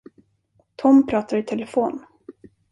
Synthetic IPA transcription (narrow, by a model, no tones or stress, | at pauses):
t̪ʰɔmpʰɾɑːt̪aɾɪt̪ʰɛləfoːn